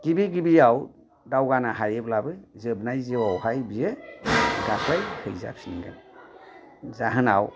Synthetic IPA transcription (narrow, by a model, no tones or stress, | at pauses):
ɡ̥ibiɡibijaw | dawɡanaɦaɾeblabɯzɯbnajzeawhajbije | dakʰlajhʰɯjza̰p̚siniɡa̰n | zaɦɯna̰w